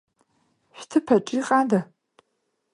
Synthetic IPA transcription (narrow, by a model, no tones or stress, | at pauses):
ɕʷᶣtʰɨpʰɐʈ͡ʂʼiqʼaːdɐ